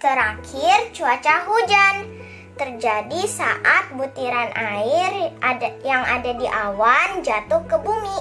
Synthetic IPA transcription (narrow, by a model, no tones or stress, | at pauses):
t̪əɾakʰɪrt͡ʃuat͡ʃaɦud͡ʒan | t̪ərd͡ʒadisaʔat̪̚but̪iɾanʔaɪrajaŋa̰dadiʔawand͡ʒat̪ʊhkəbumi